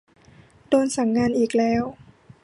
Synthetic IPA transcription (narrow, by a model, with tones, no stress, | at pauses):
doː˧nsa˨˩˦ŋːaː˧nʔiː˨˩k̚lɛː˦˥w